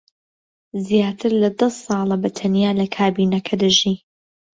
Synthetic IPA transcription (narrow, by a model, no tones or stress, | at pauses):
zjaːt̪ʰɨɾlɐd̪ɐsːɑːlˠɐbɐt̪ʰɐnjaːlɐkʰaːbiːnɐkʰɐd̪ɨʒiː